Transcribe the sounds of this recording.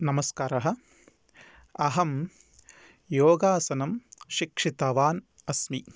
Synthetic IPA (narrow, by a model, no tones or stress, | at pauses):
nɐmɐskaːɾɐɦɐ̆ | ɐɦɐm | joːɡaːsɐnɐmʃikʂit̪ɐʋaːn | ɐsmi